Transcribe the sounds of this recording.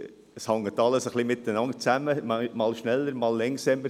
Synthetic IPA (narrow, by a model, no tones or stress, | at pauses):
əshɑŋːət̪ɑləsəχlimɪt̪ənɑnt̚t͡sæməmɑmɑːlʃnɛlːəɾmɑːlːɛŋsɛmə